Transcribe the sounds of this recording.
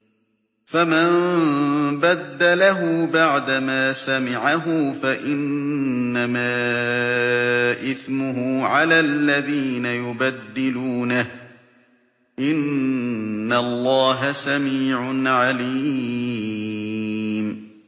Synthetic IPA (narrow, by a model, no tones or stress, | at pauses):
famam | bad̪ːalaɦʊbaʕd̪amaːsamɪʕaɦʊfaʔɪnː | amaː | ʔɪθmʊɦʊʕalaːlːaðiːnajʊbad̪ːɪluːnah | ʔɪnː | alˤːɑːɦasamiːʕʊnʕaliː | m